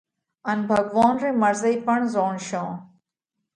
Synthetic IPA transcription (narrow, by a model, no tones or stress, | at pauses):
ənbʱəɡʋaːnɾẽːməɾzəipəɳzoːɳʃõː